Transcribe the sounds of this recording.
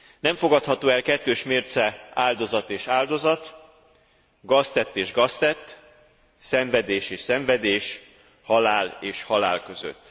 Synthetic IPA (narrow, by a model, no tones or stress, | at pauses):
nɛɱfo̞ɡɒt̪hɒt̪oːɛlkɛt̪ːøːʃmeːrt̪sɛaːld̪o̞zɒt̪eːʃaːld̪o̞zɒt̪ | ɡɒst̪ɛt̪ːeːʒɡɒst̪ɛt̪ː | sɛɱvɛd̪eːʃeːʃsɛɱvɛd̪eːʃ | hɒlaːleːʃhɒla̰ːlkø̞zø̰t̪ː